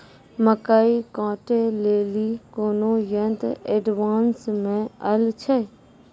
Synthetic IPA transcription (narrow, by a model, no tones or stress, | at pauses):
məkaːikãːʈeleːliːkoːnõːjənt̪eɖʋaːnsmẽəlt͡ʃʰe